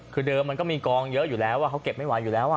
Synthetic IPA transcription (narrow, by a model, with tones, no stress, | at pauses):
kʰɯː˧dɤː˧mːa˧nkɔ˥˩miː˧kɔː˧ŋjɤ˦˥ʔjuː˨˩lɛː˦˥waː˥˩ka˦˥wke˨˩p̚ma˥˩jwaː˨˦juː˨˩lɛː˨˦˥wʔa˨˩